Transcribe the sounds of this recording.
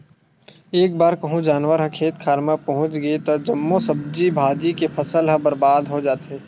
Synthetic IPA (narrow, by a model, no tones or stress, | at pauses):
eːk̚baːɾkɐɦũd͡ʒaːnwəɾɦɐ̃kʰeːt̪kʰaːɾmapɐɦʊ̃t͡ʃɡɐet̪ɐd͡ʒɐmːosɐb̚d͡ʒibʱaːd͡ʒikepʰɐsəlɦə̃bɐɾbaːd̪ɦod͡ʒaːt̪eː